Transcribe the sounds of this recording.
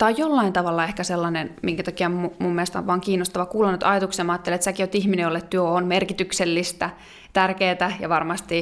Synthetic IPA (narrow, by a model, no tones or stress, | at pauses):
t̪ɑijjolːɑint̪ɑʋɑlːɑehkæselːɑnenmiŋkæt̪ɑkiɑomumumːielest̪ɑ̰ʋʋɑːŋkiːnːost̪ɑʋɑkuːlɑnːyt̪ɑjɑt̪uksiɑmɑːt̪ːelet̪sækiot̪ihminejolːet̪t̪yøonmerkit̪ykselːist̪æ | t̪ærkeːt̪æjɑʋɑrmɑst̪i